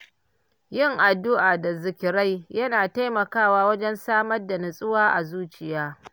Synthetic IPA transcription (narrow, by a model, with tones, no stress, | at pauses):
jɪ˦˨ŋʔa˨dːʊ˦ʔaː˨da˨zɪ˨kʲɪ˨ɾa˦jjɐ˦naː˨ta˦jmɐ˨kaː˦˨waː˦wɐ˦d͡ʒɛ˦nsaː˦mɐ˦rda˨nɪ˨sʼɪ˦waː˦ʔa˨zuː˦t͡ʃɪ˨jaː˦